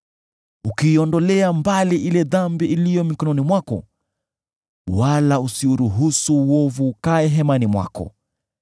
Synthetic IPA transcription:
ukiːɔndɔlɛambaliʔilɛðambiʔilijɔmikɔnɔnimwakɔ̰ | walausiuɾuɦusuɔvukaɛɦɛmanimwa̰kɔ̰

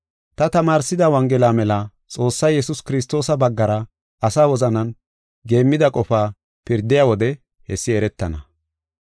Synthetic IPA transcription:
t̪ɐt̪ɐmaːɾsɪd̪ɐwɐŋɡɛlaːmɛlɐ | t͡sʼo̞ːsːɐjjɛsʊskɪɾɪs̬t̪o̞ːsɐbɐɡːɐɾɐ | ɐsaːwɔzɐnɐn | ɡe̞ːmːɪd̪ɐkʼɔfaː | pɪɾd̪ɪjaːwɔd̪ɛ | hɛsːɪɛɾɛt̪ːɐnɐ

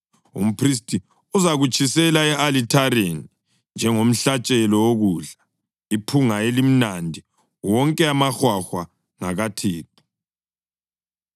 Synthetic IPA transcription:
ṵm̩pʰris̬tʼi | uzaɣut͡ʃʰʼisɛlaɛalitʰaɾeni | nd͡ʒʱɛŋom̩ɬat͡ʃʼɛlɔoɣuːɮa | ipʰuŋaelim̩nandʱi | wɔŋkʼɛamaxwaxwa | ŋaɣatʰeːtʰu̥

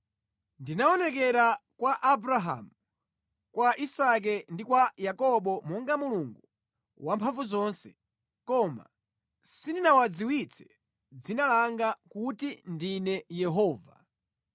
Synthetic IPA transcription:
ndinaɔnɛk̬ɛɾakwaʔabɾaɦa̰mu | kwaʔisak̬ɛndikwajakɔɓɔmɔŋɡamuluŋɡu | wampʰaɱvuzɔːnsɛ̥ | kɔma̰ | sindinawad͡ziwit͡sʰɛ̥ | d͡zinalaŋɡakutindinɛjɛɦɔːva̰

